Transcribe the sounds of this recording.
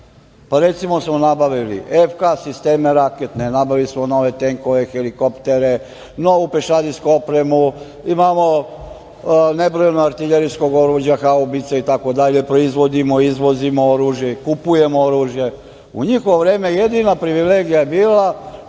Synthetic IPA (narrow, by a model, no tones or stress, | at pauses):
paɾe̞t̪simo̞smonabaʋilḭʔefkasist̪e̞ːmeɾaket̪nenabaʋilismono̞ʋe̞t̪e̞ŋko̞ʋe̞xeliko̞pt̪e̞ɾe̞ | no̞upeʃad̪iskuopɾe̞mu | imaːmo̞ | ne̞bɾojenoaɾt̪iʎeɾisko̞ɡo̞ɾuːʒjaxaobit̪sait̪ako̞d̪aʎe̞pɾo̞izʋo̞d̪imoizʋo̞zimooɾuːʒje̞kupuje̞mooɾuːʒje̞ | uɲixoʋoʋɾe̞ːme̞jed̪inapɾiʋile̞ːɡijajebiːla